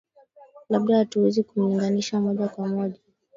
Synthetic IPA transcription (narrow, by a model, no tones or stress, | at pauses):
laɓɗahatuwɛzikum̩liŋɡaniʃamɔʄakwamɔʄa